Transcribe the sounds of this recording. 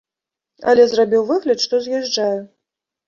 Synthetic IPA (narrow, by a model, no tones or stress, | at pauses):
ɐ̰lʲɛzrabʲiwvɨɣlʲɐt̪ʂt̪ɔzʲjɛʐaju